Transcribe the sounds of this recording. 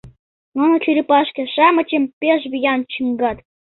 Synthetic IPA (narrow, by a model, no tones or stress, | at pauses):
nonŏt͡ɕʰyɾʲipɑʃkʲĕʂɑmɤ̆t͡ɕempʲeʃβʲijɑnt͡ɕɯŋɡɑt̪